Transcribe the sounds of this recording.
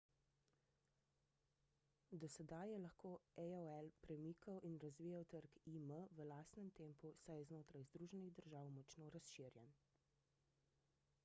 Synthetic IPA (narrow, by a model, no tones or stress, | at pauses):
d̪ɔsɛd̪ajɛlaxkoːɛoɛlpɾɛmiːkʰawʔinɾazʋiːjawt̪əɾkiməʋəlaːst̪nɛmt̪empusajɛznoːt̪ɾajzd̪ɾuːʒɛniɣd̪əɾʒaːwmɔt͡ʃnoːɾasʃiːɾjɛn